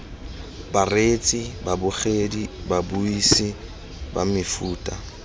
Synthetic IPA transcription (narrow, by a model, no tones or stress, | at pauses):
baret͡sʼibabʊχedibabuisɪ | ba̰mɪfuːtʼa